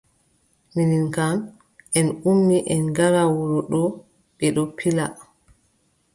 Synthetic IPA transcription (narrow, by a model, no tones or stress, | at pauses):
mininkan | ʔɛnumːiʔɛnɡaɾawɔɾɔɗɔ | ɓɛɗɔpʰila